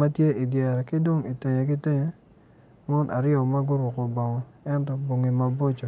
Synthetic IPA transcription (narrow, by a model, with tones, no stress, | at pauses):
ma˦tje˦i˨djɛ˨ɾkɪ˦dwo˦ŋi˨te˨ɲe˨kɪ˦tɪ˦ɲe˨ | mɔ˦nʔa̰˨ɾɪɔ˨ma˦ɡʊ˦ɾʊ˨ko˨bɔ˨ŋɔ˨ɛ˦ntɔ˨bo˨ŋi˨ma˨bo˦t͡ʃo˨